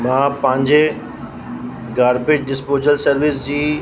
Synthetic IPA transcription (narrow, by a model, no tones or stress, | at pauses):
mãːpɐ̃ɦɪ̃ɲd͡ʑe | ɡaːɾpɪd͡ʑɖɪspoːd͡ʑəlsɐɾʋɪsd͡ʑiː